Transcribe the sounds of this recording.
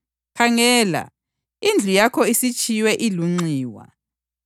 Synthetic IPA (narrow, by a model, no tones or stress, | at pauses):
kʰaŋɛːla̰ | ind͡ɮʱujakʰɔisit͡ʃʼʰijwɛʔiluŋ͡ǀiːwa̰